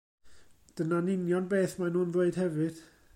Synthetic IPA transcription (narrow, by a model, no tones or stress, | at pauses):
d̥ənanɪnjɔnbeːθmanuːnveɨd̥hɛvɨd̥